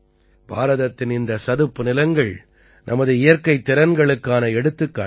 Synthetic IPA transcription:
bʱa̰ːɾɐðɐt̪ːɪnɪnd̪ɐsɐðɯpːɯnɪlɐŋɡɐɭ | nʔɐmɐðɯɪjɐɾkɐɪt̪ːɪɾɐnɡɐɭɯkːaːnɐɛɽɯt̪ːɯkːa̰ː

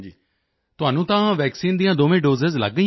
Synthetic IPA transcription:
t̪ʊaːnũːt̪ãːʋɛːksiːnd̪ijãːd̪oːʋẽːɖoːzəzlə̰ɡə

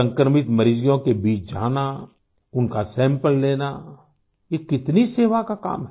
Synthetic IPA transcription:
ə̃ŋkəɾmɪt̪mɐɾɪd͡ʒijõkebiːt͡ʃd͡ʒa̰ːna | ʊnkasɛ̃ːmpəlːeːna | jekɪt̪niseːʋakaka̰ːmɦɛ

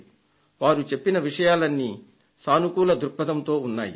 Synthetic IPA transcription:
ʋaːɾut͡ʃe̞pːinɐʋiʂɐjaːlɐnːi | saːnukuːlɐd̪uɾpːɐd̪ɐmt̪o̞ːunːa̰ːjḭ

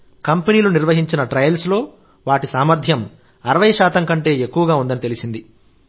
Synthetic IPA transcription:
kɐmpeniːluniɾʋɐɦiɲt͡ʃinɐʈɾɐjɐlslo̞ː | ʋaːʈisaːmɐɾd̪ʱjɐm | ɐɾɐʋɐjɐʃaːt̪ɐmŋkɐɳʈe̞ːekːuʋɐɡaːund̪ɐnit̪e̞lisind̪i

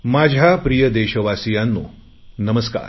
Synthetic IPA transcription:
maːd͡ʑʱapɾijəd̪eːʃɐʋaːsijanːuː | nɐməska̰ːɾ

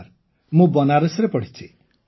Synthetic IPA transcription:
ɾ | mũbɔnaɾesɾepɔɽ̤it͡ʃʰi

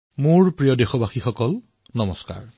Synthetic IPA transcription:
moɹpɹijɔdexɔbaxixɔkɔl | nɔmɔska̰ɹ

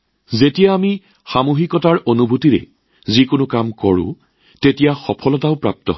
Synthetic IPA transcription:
zetijaːmi | xamuɦikɔtaɹʔonubʱutiɹɛ̰ | zikʊnʊkamkɔɹʊ̰̃ | tetijaxɔpʰɔlɔtaʊpɹap̚tɔ̰ɦ

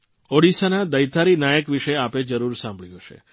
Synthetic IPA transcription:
oɽisanad̪əjt̪aɾinajəkʋiʃeaped͡ʒəɾuɾsãmbʱɭijõʃḛ

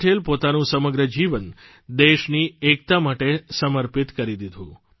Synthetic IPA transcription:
ʈʰelpot̪anũsəməɡɾəd͡ʒiʋən | d̪eʃniek̚t̪amaʈesəməɾpit̪kəɾid̪id̪ʱũ

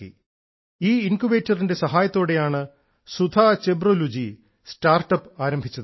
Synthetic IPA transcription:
ḭ | iːinkuʋe̞ːtːɐrinde̞sɐɦaːjɐt̪ːoːɽe̞jaːɳɨ | sud̪ʰʱat͡ɕebrolud͡ʑi | staːrʈɐpːaːɾɐmbʱit͡ɕːɐðɨ

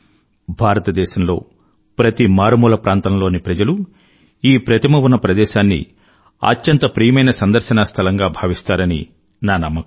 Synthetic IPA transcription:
bʱaːɾɐt̪ɐd̪ɛːʃɐmlo̞̰ː | pɾɐt̪imaːɾmuːlɐpɾʔaːnt̪ɐmlo̞ːnipɾɐd͡ʒɐlu | iːpɾɐt̪imɐwunːɐpɾɐd̪ɛːʃaːnːḭ | ɐ̰t͡ʃːɐnt̪ɐpɾijɐmɐjnɐsɐnd̪ɐɾʃɐnɐst̪ʰɐlɐŋɡaːbʱaːʋist̪aːɾɐnḭ | naːnɐmːɐku

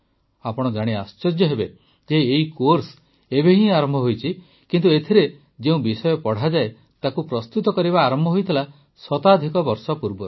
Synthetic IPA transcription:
apɔɽ̃ɔd͡ʒaɽ̃iast͡ʃɔd͡ʒjɔɦebe | d͡ʒeːikoɾs | ebeɦĩaɾɔmbʱɔɦojt͡ʃʰi | kint̪uet̪ʰiɾe | d͡ʒeũbisɔjɔpɔɽ̤ad͡ʒae | t̪akupɾɔst̪ut̪ɔkɔɾibaːɾɔmbʱɔɦojt̪ʰila | sɔt̪ad̪ʱikɔbɔɾsɔpuɾbɔɾ

